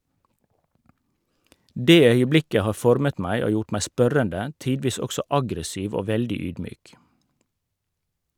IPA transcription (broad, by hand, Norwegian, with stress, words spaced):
ˈdeː ˈœʏəˌblɪkə ˈhɑː ˈfɔɾmət ˈmæɪ ˈoː ˈjʊʈ ˈmæɪ ˈspœɾəndə ˈtiːdʋiːs ˈɔksɔ ˈɑɡɾəˌsiːʋ ˈoː ˈʋɛldɪ ˈyːdˌmyːk